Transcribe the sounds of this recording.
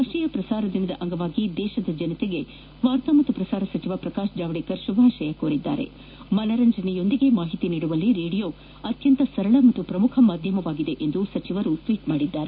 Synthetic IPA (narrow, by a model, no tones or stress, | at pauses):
ɐʃiːjɐpɾɐsaːɾɐd̪inɐd̪ɐʔɐŋɡɐʋaːɡid̪ɛːʃɐd̪ɐd͡ʒɐnɐt̪eɡe̞ | ʋaːɾt̪ɐmɐt̪ːupɾɐsaːɾɐsɐt͡ʃiʋapɾɐkaːʃd͡ʒaːʋɐɽikɐɾʃubʱaːʃɐjɐkoːɾid̪ːa̰ːɾe̞̰ | mɐlɐɾɐɲd͡ʒɐnɛjo̞nd̪iɡe̞maːɦit̪iniːɽuʋɐlːiɾeːɽijo̞ː | ɐt̪jɐnt̪ɐsɐɾɐɭɐmɐt̪ːupɾɐmukʰɐmaːd̪ʱjɐmɐʋaːɡid̪e̞ʔend̪usɐt͡ʃiʋɐɾusʋiːʈmaːɽid̪ːaːɾe